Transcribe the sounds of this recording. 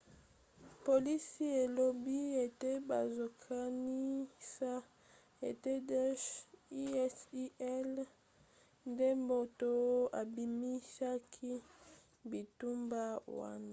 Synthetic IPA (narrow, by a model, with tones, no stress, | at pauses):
po˨li˦si˦e˨lo˨bi˦e˨te˦ba˨zo˨kʰa˦ni˦sa˦ | ḛ˨te˦dɔ˦ʃi˦ɛ˦si˦ɛ˦l | nde˦mo˦to˦a̰˨bi˨mi˦sa˦kʰi˦ | bi˨tu˦mba˦wa̰˦na˨